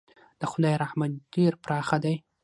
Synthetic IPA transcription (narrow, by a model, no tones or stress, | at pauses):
d̪̥əxʊd̪ɑjɾaħmat̪d̪̥eɾpɾɑxad̪aj